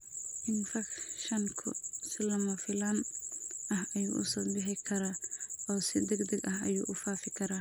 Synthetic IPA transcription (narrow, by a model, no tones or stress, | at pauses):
ʔɪnfɐkʃɐŋkʰʊ̰sɪlɐmɐfɪlɐn | ɐhɐjṵːʔʊ̰sɔːbɪħɪkʰɐɾaːɔːsɪd̪ɛɡd̪ɐɡɐhɐjṵːʔʊfaːfɪkʰɐɾaː